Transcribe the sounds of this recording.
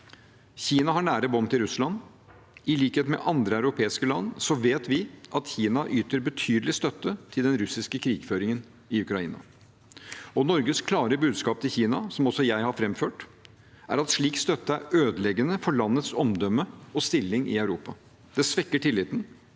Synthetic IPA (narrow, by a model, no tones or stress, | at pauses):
çiːnɑɦɑɳæːɾəbɔmt̪ɪɾʉslɑn | ɪliːkheːt̪mɛ̰ʔɑnd̪ɾəæʉɾʊpʰeːɪskəlɑnːsɔʋeːt̪ʋɪʔɑt̪çiːnɑʔyːt̪əɾbət̪ʰyːd̪əlɪst̪œt̪ːət̪ʰɪld̪ɛnɾʉsɪskəkʰɾiːɡ̥føːɾɪŋən | ɪʉkɾɑḭːnɑ̰ | ɔnɔɾɡəskʰlɑːɾəbʉːd̪skɑːp̚t̪ʰɪlçiːnɑsɔmɔsɔjæɪhɑɾfɾɛmføːʈ | æ̰ɾɑt̪ʂɭiːkst̪œt̪ːəæɾøːd̪əlɛɡənəfɔɭɑnːət̪sɔmd̪œmːəɔst̪ɪlːɪŋʔɪ̰æʉɾuːpɑ̰ | d̪̥ɛsʋɛkːəʈʰɪlːɪt̪ən̩